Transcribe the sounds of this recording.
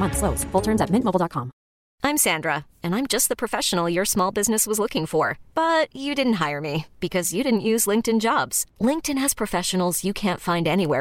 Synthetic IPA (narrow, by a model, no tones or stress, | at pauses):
mʌ̃nθkloʊsfʊlˠtʰɜ̃˞nzɨt̚mɪ̃nmoʊb̩ˠdɑt̚kʰɑ̃m | ʔãɪ̃msæ̃ndɹə | ɨ̃nãɪ̃md͡ʒʌst̪̚ðəpʰɹ̥ɨfɛʃən̩l̩ˠjə˞smɔlˠbɪznɨswʌzlʊkɪ̃ŋfə˞b̥ʌt͡ʃɨdɪdⁿn̩t̚ɦaɪə˞mib̥ɨkʰʌzjɨɾɪdⁿn̩ʔjʉzlɪ̃ŋk̚tɨ̃nd͡ʒɑbz̥lɪ̃ŋk̚tɨ̃nɨz̥pʰɹ̥ɨfɛʃɨn̩l̩ˠzjɨkʰæ̃ntfãɪ̃ndɛniwɛ̰